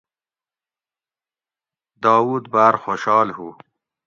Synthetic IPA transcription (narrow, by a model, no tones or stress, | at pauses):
d̪ɑːwuːd̪baɾxoʃɑːlhu